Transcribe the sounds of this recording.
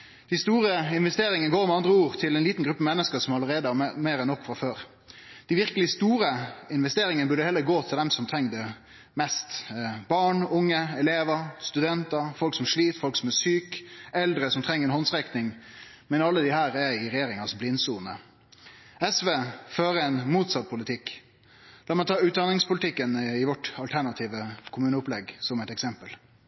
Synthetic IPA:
d̪̥æst̪uːɾəɪnʋɛst̪eːɾɪŋənəɡoːɾmɛɑnd̪ɾəuːɾt̪ʰɪlɛnliːt̪n̩ɡɾʉpːəmɛnːəskəsɔmɑləɾeːd̪əɑmeːɾɛnːɔkːfʁɑføːɾ | d̪̥ɪʋɪʁkəlɪst̪uːɾəɪnʋɛst̪eːɾɪŋənəbʉɖəhɛlːəɾɡoːt̪ʰɪld̪ɛmsɔmt̪ʰɾɛŋd̪ə | mɛst̪bɑɳʊŋːəɛleːʋəst̪ʉd̪ɛnt̪əfɔlksɔmʂɭiːt̪fɔlksɔmæsyːkɛld̪ɾəsɔmt̪ʰɾɛŋːəɾɛnhɔnsʁɛknɪŋ | mɛnɑlːəd̪ɪhæːɾɛɪɾɛjeːɾɪŋɑsblɪnːsuːnə̰ | ɛsʋeːføːɾəɛnmuːt̪sɑt̪̚ːpʰʊlɪt̪ʰɪkː | lɑːmɛɪt̪ʰɑːʉːt̪̚d̪ɑnɪŋspʊlɪt̪ʰɪkːənɪʋɔʈɑlt̪ʰæɾɳɑt̪ʰiːʋəkʰʊmʉːnəʊplɛɡsɔmɛt̪ɛksɛmpəl

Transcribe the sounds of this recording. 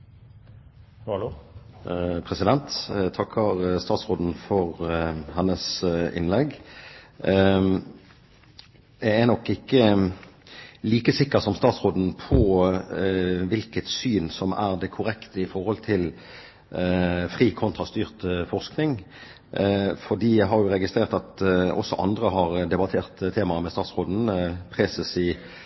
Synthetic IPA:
pʰʁɛsɪd̪ɛnt̪t̪ʰɑkʰːɑʁst̪ɑːt̪sʁoːd̪n̩fɔʁhɑnəsɪ̰nlɛɡ | jæɪɛnɔkːɪkːə | liːkəsɪkːəʁsɔmst̪ɑːt̪sʁoːd̪n̩pʰɔ | ʋɪlkət̪syːnsɔmæʁd̪ɛkʰʊɾɛkt̪ʰəɪfɔɾhɔlt̪ʰɪl | fʁiːkʰɔnt̪ʁɑst̪yːʁt̪fɔʁsknɪŋ | fɔʁd̪iːjæɪɦɑʁjʊɾɛɡɪst̪ʁeːʁt̪ɑt̪ɔ̰sːɔʔɑ̰nd̪ʁəɦɑʁd̪ɛbɑt̪ʰeːʁt̪t̪ʰeːmɑmɛst̪ɑːt̪sʁoːd̪n̩pʰʁɛsəsi

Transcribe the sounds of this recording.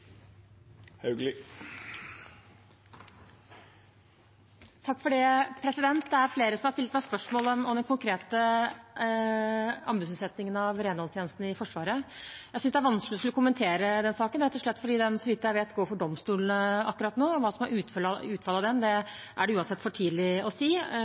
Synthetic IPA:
hɑɡlɪ | t̪ʰɑkːfɔɖɛpʰɾɛsɪd̪ɛnt̪d̪ɛæɾfleːɾəsɔmhɑɾstɪlət̪mæɪspœʂmoːlɔɔmd̪ɛnkʊŋkʰɾeːt̪ə | ɑ̰mbʉtsʉt̪sɛt̪nɪŋənɑʋɾeːnhɑlst̪jeːnəst̪n̩ɪfɔʂʋɑːɾəjæɪsʏsd̪ɛæɾʋɑnsklɪɔskʉlːɔkʊmːənt̪ʰeːɾəd̪ɛnsɑːkənɾɛt̪ːɔʂɭɛt̪ːfɔɖiːd̪ɛnsɔʋɪt̪ːəæɪʋeːt̪ɡoːɾfɔɖɔmst̪uːlənəɑ̰kːɾɑt̪noːɔʋɑːsɔmæɾʉːt̪ʉːt̪fɑlɑʋd̪ɛnd̪ɛ | ʔæɖɛʉːɑnsɛt̪ːfɔʈʰiːd̪lɪɔsiː

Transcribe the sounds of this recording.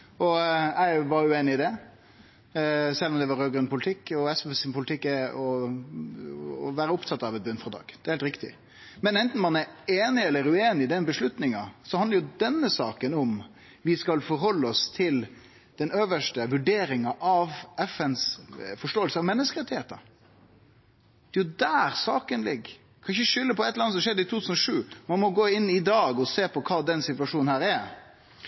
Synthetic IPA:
ʔɔæɪʋɑɾjʉeːnɪɪd̪ɛ | sɛlːɔmd̪ɛʋɑɾøːɡɾənpʰʊlɪt̪ʰɪkːɔɛsɛfɛsɪnpʰʊlɪt̪ʰɪkːɛɔ | ɔʋæːɾəʊpt̪ʰɑt̪ːɑʋɛt̪bʉnːfɾɑd̪ɑ̰ːɡ̥d̪ɛɾhelt̪ɾɪkt̪ɪ̰ | mɛnɛnt̪n̩mɑnæɾeːnɪɛlːəɾʉeːnɪɪd̪ɛnbəʂlʉt̪nɪŋɑsɔhɑnd̪əɾjʊd̪ɛnːəsɑːkənɔm | ʋɪskɑlfɔɾɦɔlːəɔst̪ʰɪl | d̪̥ɛnøːʋəʂʈəʋʉɖeːɾɪŋɑʔɑʋɛfɛnsfɔʂʈoːəlsəɑʋmɛnːəskəɾɛt̪ɪheːt̪ɑ̰ | d̪̥ɛjʊd̪æːɾsɑːkənlɪɡ | kʰɑnɪçəʂʏlːəpɔɛt̪əɾɑnsɔmʂɛd̪ːəɪt̪ʰut̪ʰʉsnɔʂʉːmɑnmɔɡoːɪnːɪd̪ɑːɡɔseːpʰɔkʰɑːd̪ɛnsɪt̪ʋɑʂuːnnhæːɾɛɾ

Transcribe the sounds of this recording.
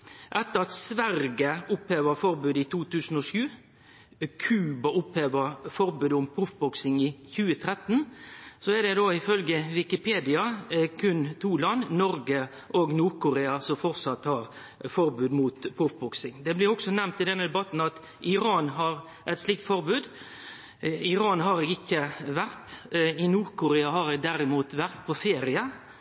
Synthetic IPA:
ʔɛt̪ːəʁɑt̪sʋæɾɡəʊpheːʋəɾfɔɾbʉːd̪ɪt̪ʰuːt̪ʰʉːsn̩ɔʂʉː | kʰʉːbɑʊpheːʋəɾfɔɾbʉːd̪əʊmpʰɾʊfbɔksɪŋɪçʉːət̪ʰɾɛt̪ːnsɔɛɾd̪ɛd̪oːɪfœlɡəʋɪkɪpʰeːd̪ɪɑkʰʉnt̪ʰuːlɑnːnɔɾɡə | ʔɔɡnuːɾkʊɾeːɑsɔfɔɾsɑt̪hɑɾ | fɔɾbʉːd̪muːt̪pʰɾʊfbɔksɪŋd̪ɛblɪɾɔksɔnæmnt̪ɪd̪ɛnːəd̪ɛbɑt̪n̩ɑt̪ | ɪɾɑːnɦɑɾ | ʔɛɪt̪sliːk̚t̪fɔɾbʉːd̪ | ɪɾɑːnɦɑɾɛːɡɪkːəʋæɾt̪ɪnuːʁkʊɾeːɑɦɑɾɛɡd̪æɾɪmuːt̪ʋæʁt̪̚pʰɔfeːɾɪɑ

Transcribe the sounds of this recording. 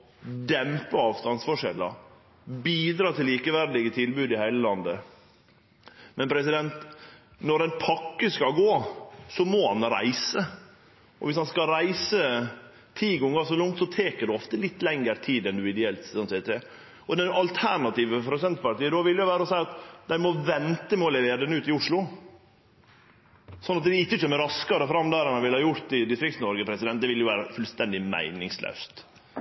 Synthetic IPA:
d̪ɛmpəɑːʋst̪ɑnsfɔʂɛ̰lːə̰ɾ | biːd̪ɾɑːt̪ʰɪliːkəʋæɾd̪ɪɡət̪ʰɪlbʉːd̪ɪhæɪləlɑnd̪ə | mɛnpʰɾɛsɪd̪ɛnt̪ | nɔɾæɪnpʰɑkːəskɑɡoːsɔmɔhɑ̰nɾæ̰ɪsə | ʔɔ̰ʋɪshɑnskɑɾæɪsə | t̪ʰiːɡɔŋːɡɑsɔlɔŋt̪sɔt̪ʰeːkəɖ̪ɛɔft̪əlɪt̪ːlɛŋəɾt̪ʰiːd̪ɛnd̪ʉɪd̪ɛɛlt̪ɔnsɛt̪ɛ | ɔd̪ɛnɑlt̪ʰæɾɳɑt̪iːʋəpɾʊsɛnt̪pɑɾʈiːd̪ɔʋɪljʊʋæːɾəɔsæɪɑt̪d̪æɪmɔʋɛnt̪əmoːlɪɾeːd̪ənʉːt̪ɪʊʂɭʊ | sɔnɑt̪d̪ɛɪkːətøːməɾɑskɑɾəfɾɑmːd̪æɾɑnɑnʋɪlhɑːjʊɾt̪ɪd̪ɪst̪ɾɪkt̪snɔɾɡəpʰɾɛsɪd̪ɛnt̪d̪ɛʋɪljʊʋæːɾəfʉlst̪ɛnd̪ɪmæ̰ɪnɪŋslœ̰ʉst̪

